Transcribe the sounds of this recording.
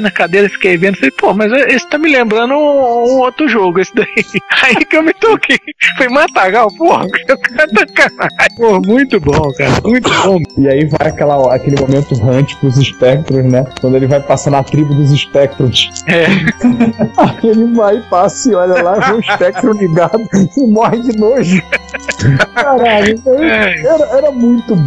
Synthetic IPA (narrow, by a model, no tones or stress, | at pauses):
nɐkad̪eɾɐfi̥kejvẽnd̪ʊfalejpomɐzeesɪ̥t̪amɪlẽmbɾɐ̃nd̪ʊ̃ũowt̪ɾʊʒoɡʊesɪd̪aiaikɪewmɪt̪okejfojmat̪aɡawpohɐkewkɐ̃t̪ɐkapohɐmũj̃t̪ʊbõkaɾɐ̰mũj̃t̪ʊbõɪaiva̰jakɛlɐɔakelɪmõmẽnt̪ʊɦɐ̃t͡ʃɪ̥pɾʊziʃpɛk̚t̪ɾʊ̃znɛkwɐ̃nd̪ʊelɪvajpasɐ̃nɐt̪ɾibʊd̪ʊziʃpɛk̚t̪ɾõsɛ | aelɪvajpasɐiɔʎɐlavẽũiʃpɛk̚t̪ɾõliɡad̪ʊmɔɦɪd͡ʒɪnoʒɪ | kaɾaʎʊʊeɛɾɐɛɾɐmũj̃t̪ʊb